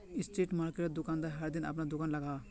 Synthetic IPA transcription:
ɪsʈɾiːʈmaːɾkeʈed̪ʊkaːnd̪aɾɦɐɾd̪inɐ̰pnad̪ʊkaːnlɐɡaː

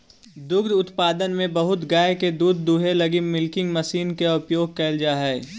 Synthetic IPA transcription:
d̪ʊɡd̪ʊt̪paːd̪ənmẽbɐɦʊt̪ɡaːjeked̪uːd̪ːuːɦelɐɡimɪlkɪ̃ŋɡmɐsiːnkeʊpjoːɡ̚kɛːld͡ʒaːɦɛː

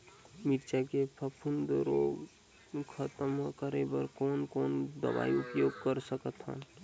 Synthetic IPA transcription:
miɾt͡ʃakepʰəpʰund̪ɾoːɡ | kʰət̪əmɦkəɾebəɾkoːnkoːnd̪ə̰ʋa̰ːiupjoːɡkəɾsəkət̪ɦə̰n

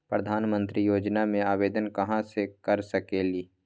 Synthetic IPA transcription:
pɾəd̪ʱaːnmə̃nt̪ɾijoːd͡ʒnamẽaːʋeːd̪ənkɐɦãsekɐɾsɐkeːliː

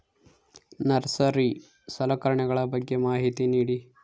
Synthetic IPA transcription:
nɐɾsɐɾi | sɐlɐkɐɾɐɳɛɡɐɭɐbɐɡːe̞maːɦit̪iniːɽi

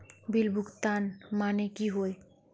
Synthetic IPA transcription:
bilbʱukt̪anmanekiɦoe

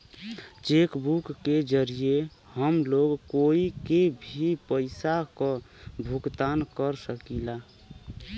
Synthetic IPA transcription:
t͡ʃekbukːed͡ʒəɾije | həmloɡkoikebʱipəɪsakɔ̃bʱuɡt̪ankəɾsəkila

